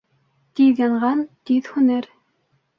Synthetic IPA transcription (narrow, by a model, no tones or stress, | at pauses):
t̪iðjɑɴʁɑnt̪iðhunɘɾ